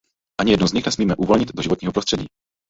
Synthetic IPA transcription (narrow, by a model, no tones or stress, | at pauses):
ʔaɲɪijɛdnuzɲɪxnɛsmiːmɛʔuvo̞lɲɪt̪doʒɪvoɲiːɦopɾost̪r̥ɛɟḭː